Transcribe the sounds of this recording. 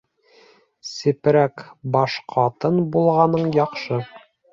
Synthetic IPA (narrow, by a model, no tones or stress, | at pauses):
sɘ̆pɾækbɒʃqʰɑt̪ɤnbulˠʁɑnɤɴjɒqʃɤ